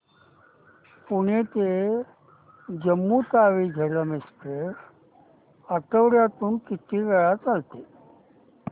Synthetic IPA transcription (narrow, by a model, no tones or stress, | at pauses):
puɽ̃et̪e | d͡ʑəmːut̪aʋiːd͡ʑʱəɾəmespe | əʈəʋɾjat̪uːnkit̪ʰiːɡəɭat͡salt̪e